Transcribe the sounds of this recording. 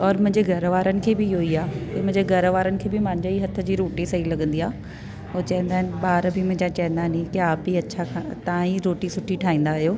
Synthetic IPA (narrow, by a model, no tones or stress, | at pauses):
ɔːɾmʊ̃ɦɪ̃ɲd͡ʑeɡʱɐɾʋaːɾənɪ̆kʰeːbɪoːiaːkɐmʊ̃ɦɲd͡ʑeɡʱɐɾəʋaːɾənɪ̆kʰeːbɪmãːɲd͡ʑeiɦɐt̪ʰə̆d͡ʑiːɾoːʈisɐɦilɐɠə̃nd̪iaː | ɦoːt͡ɕɐɦə̃nd̪aːɦɪnɪɓaːɾbɪmʊ̃ɦɪ̃ɲd͡ʑat͡ɕɐɦə̃nd̪aːɦnĩkiaːpiɐt͡ɕʰakʰãt̪ɐãĩɾoːʈisʊʈʰiʈʰaːĩːn̆d̪aːɦijoː